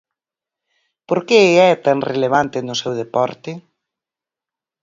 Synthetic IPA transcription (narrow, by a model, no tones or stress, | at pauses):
poɾkeɛt̪aŋreleβant̪ɪnʊsewðepɔɾt̪ɪ